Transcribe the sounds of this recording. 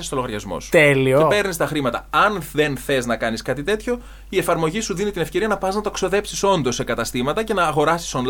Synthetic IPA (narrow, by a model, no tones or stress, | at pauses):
est̪oloɣɐɾʝɐzmo̰st̪elioepe̞ɾnist̪ɐxɾimɐt̪ɐɐnðe̞nθe̞znɐkɐniskɐt̪it̪e̞t̪ço̞ | ie̞fɐɾmo̞ʝisuðinit̪inefce̞ɾiɐnɐpɐznɐt̪ɐkso̞ðe̞psiso̞nd̪o̞sːekɐt̪ɐst̪imɐt̪ɐce̞nɐːɣo̞ɾɐsi̥son